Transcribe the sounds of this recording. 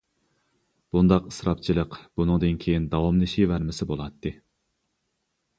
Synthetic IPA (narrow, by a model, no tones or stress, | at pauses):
b̥und̪ɑqɨ̥sɾɑp̚t͡ʃʰilˠəqb̥unɨŋd̪ɨnkʲʰejind̪ɑwɑmlˠɨʃivæɾmɪsɪbolˠɑt̪ʰːɨ